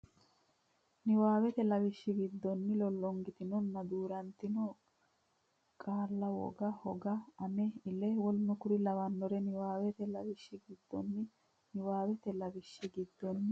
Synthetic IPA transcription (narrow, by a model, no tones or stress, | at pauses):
nɪwaːwɛt̪ɛlɐwɪʃːɪɡɪd̪ːɔnːɪlɔlːɔŋɡɪt̪ɪnɔnːɐd̪uːɾɐnt̪ɪnɔ | kʼaːlːɐwɔ̰ɡɐhɔɡɐɐnɛɪlɛwɔlnʊkʊɾɪlɐwɐnːɔɾɛnɪwaːwɛt̪ɛlɐwɪʃːɪɡɪd̪̥ːɔnːɪ | nɪwaːwɛt̪ɛlɐbɪʃːɪɡɪd̪ːɔnːɪ